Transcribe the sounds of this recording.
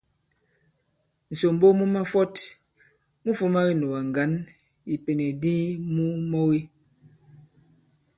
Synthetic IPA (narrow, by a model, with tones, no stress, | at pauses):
n̩˨so˨m˦bo˦mu˦ma˦fɔ˦t | mu˦fu˦ma˦ɣi˦no˨wa˨ŋ˨ɡa˨˦n | i˨pe˨ne˨di˦mu˦mo˦ɣi˦